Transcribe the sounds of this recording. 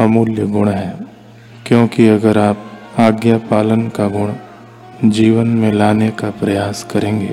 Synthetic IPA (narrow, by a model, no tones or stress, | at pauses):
ɐmuːljəɡʊɽ̃ɦɛː | kjõːkiɐɡəɾaːp̚aːɡjapaːlənkaɡʊɽ̃ | d͡ʒiːʋənmẽlaːnekapɾɐjaːskɐɾẽːɡḛː